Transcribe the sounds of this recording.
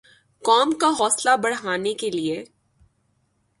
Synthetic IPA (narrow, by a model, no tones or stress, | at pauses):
kɔːmkaɦɔːslabɐɽ̤ɦaːnekelie